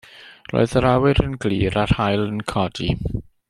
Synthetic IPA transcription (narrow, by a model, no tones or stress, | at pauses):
ɾɔ̰jsaɾaːweɾʰənklḭːɾat̪ʰaːjlankʰɔːt͡ɕi